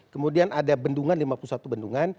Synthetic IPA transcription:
kəmudianadabənduŋanlimapulusat̪ubənduŋan

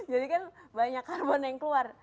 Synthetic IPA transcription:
d͡ʒadikanbaɲakːarbɔnjaŋkəluar

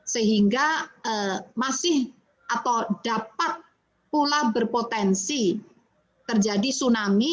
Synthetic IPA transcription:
səɦiŋɡaəmasɪh | ʔat̪awd̥apat̪̚ | pulabərpot̪ɛnsi | t̪ərd͡ʒadisunami

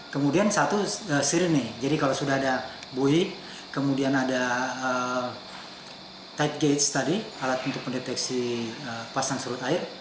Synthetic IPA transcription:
kəmudiansat̪uəsiɾɪnɪd͡ʒadikalawsudahadabui | kəmudianadaə | t̪ait̪̚ɡet̪st̪adialat̪unt̪ʊk̚pəndet̪ɛksiəpasansuɾʊt̪aɪr

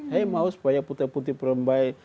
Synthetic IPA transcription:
hejmausu̥pajaput̪iput̪ipəɾəmbaj

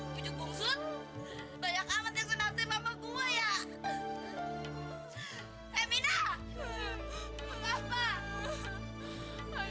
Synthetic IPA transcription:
puɲuk̚buŋsʊt̪̚ | baɲakamat̪̚ɲasənat̪amamakuaja | ɛmina | məŋapa

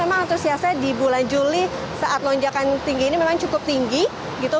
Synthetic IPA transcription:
emaŋat̪usiasadibuland͡ʒuli | saʔat̪̚lɔɲd͡ʒakant̪iŋɡiːnimemaŋt͡ʃukʊp̚t̪iŋɡi | ɡit̪u

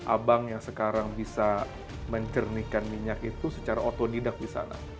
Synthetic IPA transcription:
ʔa̰baŋjaŋsəkaɾaŋbisa | məɲt͡ʃərnikanmiɲakit̪usə̥t͡ʃaɾaot̪odidak̚disa̰na̰

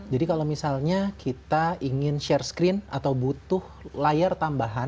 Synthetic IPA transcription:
d͡ʒadikalawmisalɲakit̪aiŋɪnʃɛrskɾɪnat̪awbut̪ʊhlajart̪ambaɦan

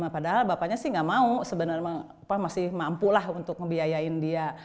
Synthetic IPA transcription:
mapadaɦalbapaɲasɪhŋɡaʔmausəbənarmaapamasɪhmampulaɦunt̪ʊk̚məbiajaɪndia

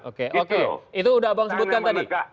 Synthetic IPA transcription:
ʔokeʔokeit̪uːdaɦabaŋsəbut̪̚kant̪adi

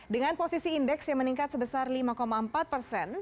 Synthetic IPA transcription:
dəŋanposisiːndɛksjaŋməniŋkat̪səbəsarlimakomaəmpat̪̚pərsɛn

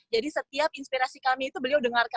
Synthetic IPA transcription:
d͡ʒadisət̪iap̚inspiɾasikamiːt̪ubəliawdəŋarka

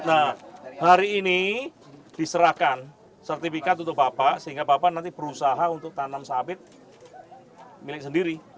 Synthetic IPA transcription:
nahaɾiːni | d̥isəɾahkan | sərt̪ifikat̪̬unt̪ʊbapaʔsəɦiŋɡabapanant̪ib̥əɾusaɦaunt̪ʊk̚t̪anamsabɪt̪̚ | milɪk̚səndiɾi

